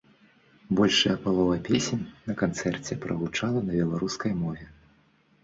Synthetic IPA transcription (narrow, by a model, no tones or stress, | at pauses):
bɔlʲʂɐjɐpalˠɔvɐpʲesʲenʲnɐkant̪sɛrt͡sʲɛpɾɐɣut͡ʂalˠɐnɐbʲɛlˠaɾuskɐjmɔvʲɛ